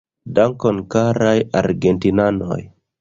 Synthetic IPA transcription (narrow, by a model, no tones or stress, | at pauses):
daŋkɔnkaɾajaɾɡentinanoj